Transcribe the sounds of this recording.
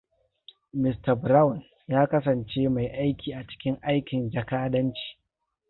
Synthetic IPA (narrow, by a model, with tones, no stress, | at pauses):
mɪ˨stɐ˨bɾa˦wn | jaː˦kɐ˦s̬ɐ˨nt͡ʃeː˦ma˨jʔa˦jkʲiː˨ʔa˨t͡ʃɪ̥˦kʲɪ˦ŋʔa˦jkʲɪ˨nd͡ʒɐ˨kaː˦dɐ˦nt͡ʃi̥ː˨